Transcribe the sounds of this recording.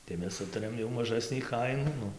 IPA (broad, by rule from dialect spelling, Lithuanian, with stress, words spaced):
tɐɪ ˈmʲɛs ˈsʊtɐrʲeːm jɛʊ mɐˈʒɑːsʲnʲiː ˈkɐɪnuː ˈnʊ